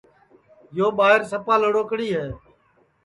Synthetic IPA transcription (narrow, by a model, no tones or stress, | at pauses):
joːɓaːɪɾsəpaːləɽoːkɽiːɦeː